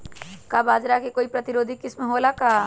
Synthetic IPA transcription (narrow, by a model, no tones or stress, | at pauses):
kabaːd͡ʒɾakekoːipɾɐt̪ɪɾoːd̪ʱikɪsmeɦoːlakaː